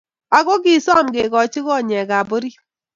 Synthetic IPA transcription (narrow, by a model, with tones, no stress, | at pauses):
a˨ɡɔ˦ɡi˦˨sa˦˨mɡe˨ɡɔ˨t͡ʃɪ˦ɡɔ˦˨ɲɛ˨ɡa˨bo˦ɾi˦